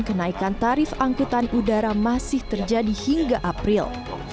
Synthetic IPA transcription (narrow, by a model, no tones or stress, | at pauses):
kənaikant̪aɾɪfaŋkut̪anudaɾamasɪht̪ərd͡ʒadihiŋɡaʔapɾɪl